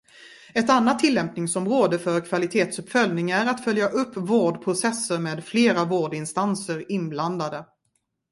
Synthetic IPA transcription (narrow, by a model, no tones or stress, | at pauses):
ɛt̪anːat̪ʰːɪlːɛmpnɪŋsɔmɾoːd̪əfœɾkʰvalɪt̪ʰeːt̪sɵpfœlnɪŋæɾat̪fœljaʔɵpːvoːɖpʰɾʊsɛsːəɾmeːd̪fleːɾavoːɖɪnst̪ansəɾɪnbland̪ad̪ə